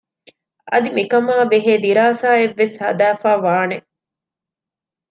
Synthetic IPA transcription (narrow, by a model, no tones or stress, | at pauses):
ʔɐ̰d̪imikɐmaːbeɦeːd̪iɾaːsaːeʋːeshɐ̰d̪æːfaːʋaːne